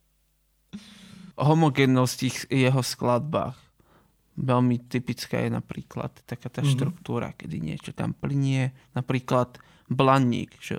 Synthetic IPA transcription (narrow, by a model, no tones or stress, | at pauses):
ɔɦɔmɔɡɛːnːɔscixjɛɦɔsklad̪̚ba̰ːɣ | ʋɛʎmit̪ipit͡ska̰ːjɛna̰pɾḭːkla̰t̪ːakaːt̪aːʃt̪ɾukt̪uːɾa̰kɛd̪ḭɲɪɛ̰t͡ʃɔt̪a̰mplɲiɛnapɾiːklat̪ | blaɲːḭːɡʒ̥ɛ̰